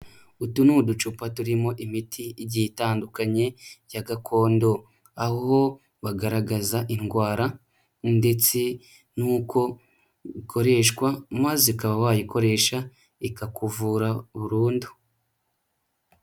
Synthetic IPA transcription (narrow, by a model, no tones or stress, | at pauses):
utunudut͡ʃupatuɾimo̞ʔimitʰiɟiitaːndukaɲe̞jaɡakʰo̞ːndo̞ | aho̞ | βaɡaɾaɡazaʔinɡwaːɾa | nde̞t͡se | nuːko̞ | ikʰo̞ɾe̞ʃkwamazikaβawajiko̞ɾe̞ːʃa | ikakuvuɾaβuɾuːndu̥